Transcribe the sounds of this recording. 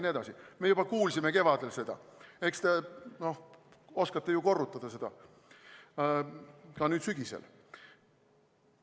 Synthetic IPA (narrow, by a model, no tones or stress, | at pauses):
nied̪ɑsime̞jub̥ɑkuːlsʲime̞ke̞vɑd̪̥e̞lse̞d̪̥ɑ̰e̞kst̪e̞no̞h | o̞skɑt̪ːe̞juko̞rːut̪ːˑɑd̪ɑse̞d̪̥ɑ | kɑnyːd̪̥syɡ̥isḛl